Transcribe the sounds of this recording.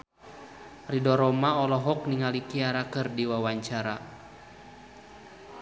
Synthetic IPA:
ridɔɾɔmaɔlɔɦɔk̚niŋalikiaɾakɨrdiwawaɲt͡ʃaɾa

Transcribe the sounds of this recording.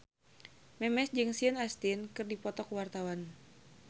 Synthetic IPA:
mɛmɛsd͡ʒɨŋsiənast̪inkɨrdipɔt̪ɔkuwart̪awan

